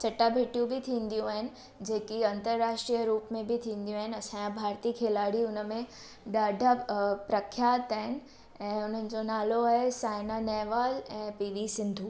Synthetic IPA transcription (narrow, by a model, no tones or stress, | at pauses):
t͡ɕɐʈabʱeʈjũbɪt̪ʰĩːnd̪ijũaːɦɪnɪ̆ | d͡ʑeɦkiɐ̃nt̪əɾːaːʃʈɾijəɾuːpmẽbɪt̪ʰĩːnd̪ijũaːɦɪnɪɐsãbʱaːɾt̪iːkʰeːlaːɽiʊnəmẽ | ɗ̪aːɖʱapɾɐkʰːjaːt̪aːɦɪnɪ̆ | ɛ̃ːʊn̤ənɪ̆d͡ʑonaːloaːɦesaːɪnanɛːʋaːlɛ̃ːpiːʋisɪ̃nd̪ʱuː